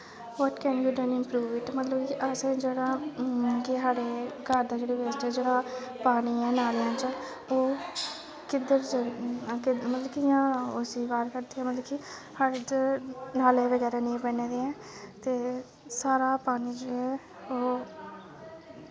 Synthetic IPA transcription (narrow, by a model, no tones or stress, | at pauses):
ʋɔːʈkɛːnbiːɖənɪmpɾuːʋɪʈmət̪ləbkiʔəsẽd͡ʒeːɽaːkɪɦaːɽeːɡʱəɾd̪aːd͡ʒeːɽeːʋesʈɛːd͡ʒeːɽaːpaːniːɛːnaːljãːt͡ʃə | oː | kɪd̪əɾt͡ʃkɪmət̪ləbkɪjãːʊsiːʋaːɾkəɾd̪iːɛ̃ːmət̪ləbki | haɾ | naːlẽːʋəɡɛːɾaːnẽːpɛːneːd̪eɛ̃ː | t̪eː | saːɾaːpaːniːd͡ʒoɛː | oː